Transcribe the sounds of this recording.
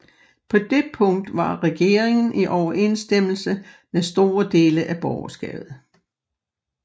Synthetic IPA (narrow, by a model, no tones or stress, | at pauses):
pʰɒ̽d̥e̝pʰɔ̽ŋ̰d̥ʋɑ̈ʁɛɡ̥e̝ːɐeŋn̩ʔiʔɒʊɐʔe̝ːnsd̥em̰l̩səmesd̥o̝ːɐd̥e̝ːləʔæb̥ɒʊɐsɡ̥ɛ̰̥ːð̩ˠ